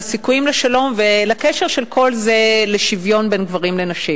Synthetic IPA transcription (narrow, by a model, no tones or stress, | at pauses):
sikujimleʃalo̞mvelakeʃeʁʃelkʰo̞lze̞leʃivjo̞nbenɡvaʁimlenaʃim